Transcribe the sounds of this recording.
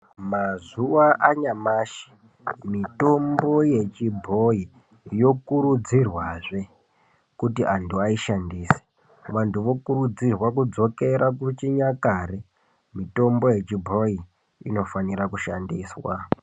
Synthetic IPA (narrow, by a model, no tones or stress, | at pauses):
mazuʋaʔaɲamaːʃi̥ | mito̞mbo̞je̞t͡ʃibʱo̞i | jo̞kuɾud͡zirwaːʐe̞ | kutiʔantʰuaiʃandiːse̥ | ʋantʰuʋo̞kuɾud͡zirwakud͡zo̞ke̞ɾakut͡ʃiɲakaːre | mito̞mbo̞je̞t͡ʃibʱo̞i | ḭno̞faniɾakuʃandiːswa